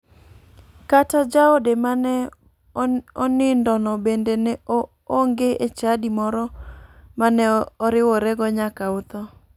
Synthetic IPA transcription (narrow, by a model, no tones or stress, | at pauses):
katad͡ʒaodemanɛ | ɔnɪndɔnɔbendenɛ | oŋɡeʔet͡ʃadimɔɾɔmanɛɔɾɪwɔɾɛɡɔɲakaʊt̪ɔ